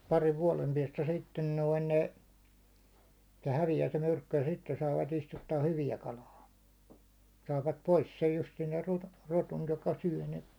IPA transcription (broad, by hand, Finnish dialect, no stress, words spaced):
pɑriʋ ʋuɒlem piɛstæ sitːen noin ne se hæʋijæː se myrkːy jɑ sitːen sɑːʋɑt istutːɑː hyʋiæ kɑlɑː sɑːʋɑt pois sej justiːn ser ruto ruton jokɑ syæ̹ ne